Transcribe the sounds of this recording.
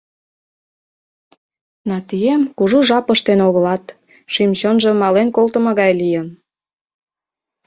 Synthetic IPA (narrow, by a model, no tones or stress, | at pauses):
nɑt̪yjemkuʒuʒɑpəʃt̪enoɣəlɑt̪ | ʃimt͡ɕonʒə̆mɑlenkolt̪əmɤ̆ɣɑjlijən